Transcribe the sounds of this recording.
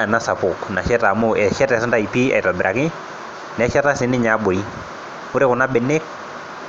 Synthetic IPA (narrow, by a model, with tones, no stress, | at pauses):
na˨˦sa˨po˨kna˨ʃɛ˦ta˨mo˦˨ɛ˨ʃɛ˦tɛ˨sɛ˦nda˨i˨pi˦ɛ̰˨ta˨bɪ˨ɾa˨kɪ˦ | nɛ˨˦ʃɛ˦ta˦se˨˦nɪ˦ɲa˨˦bɔ˨i˦ | o˦ɾe˦ko˨na˦bɛ˨nɛ˦k